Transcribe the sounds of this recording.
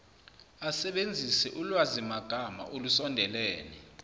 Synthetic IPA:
asɛɓend͡zʱisɛʔulwazimaɡ̥ʱama̰ʔolusɔndʱɛlɛːnɛ

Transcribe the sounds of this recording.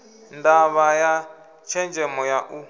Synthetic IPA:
ndaβaja | t͡ʃʰɛnd͡ʒɛmɔjaʔu

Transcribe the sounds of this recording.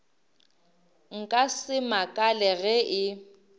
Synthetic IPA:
ŋ̩kʼasɪmakʼalɛɣɛʔɪ

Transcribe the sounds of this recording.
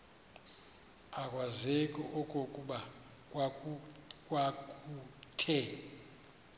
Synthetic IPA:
akʼwazekʼɔʔɔkʼɔkʼuɓa | kʼwakʼutʰɛ

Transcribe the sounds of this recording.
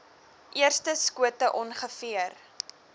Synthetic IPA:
ʔiərstəskuətəʔɔnχəfiər

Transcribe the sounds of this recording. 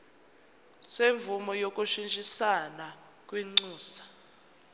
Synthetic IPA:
seɱvumɔjok̬ʼuʃint͡ʃʼisana | k̬ʼwiŋ͡ǀuːsḁ

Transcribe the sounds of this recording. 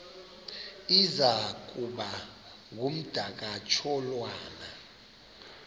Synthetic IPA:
izak̬ʼuɓa | ŋ̬um̩d̥ʱak̬at͡ʃʰɔlwaːna

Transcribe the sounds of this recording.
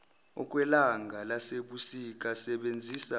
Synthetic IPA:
ɔk̬ʼwɛlaŋɡʱalaseɓusik̬ʼasɛɓend͡zʱiːsa

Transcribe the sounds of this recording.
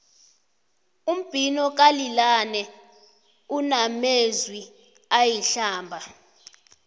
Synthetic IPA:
um̩b̥ʱinɔk̬ʼalilanɛ | unamezwi | ajiɬaːmbʱa

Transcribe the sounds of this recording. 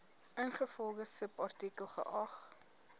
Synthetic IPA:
ʔənχəfɔlˠdəsəpɐrtikəlˠχə̰ʔɐχ

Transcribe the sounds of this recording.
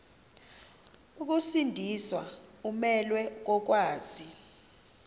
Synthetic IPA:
uk̬usindʱiswa̰umɛlwɛk̬ɔk̬waːz̥i

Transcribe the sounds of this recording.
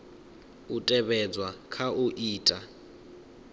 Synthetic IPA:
utʼɛβɛd͡zwakʰaʔuʔiːtʼa

